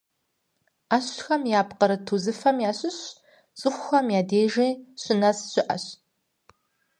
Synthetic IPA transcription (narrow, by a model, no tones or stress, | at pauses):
aːɕxɐmjaːpqəɾɨtʰuzɨfɐmjaːɕɨɕ | t͡sʼɨχʷʊxɐmjaːdeːʒiːɕɪnɐsɕɪʔɐ̰ɕ